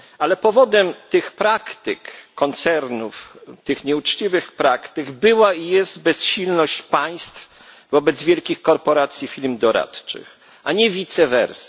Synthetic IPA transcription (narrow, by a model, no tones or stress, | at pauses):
alɛpɔvɔd̪ɛmt̪ɘxpɾakt̪ɘ̰kːɔnt̪sɛɾnuft̪ɘxɲɛut͡ʂt͡ɕivɘxpɾakt̪ɘɡbɘwaijɛst̪bɛsɕilnɔɕt͡ɕpaj̃st̪f | vɔbɛd̪zvʲjɛlkʲixkɔɾpɔɾat̪sʲjifʲilmd̪ɔɾa̰t̪t͡ʂɘ̰x | aɲɛvʲit̪sɛvɛ̰ɾs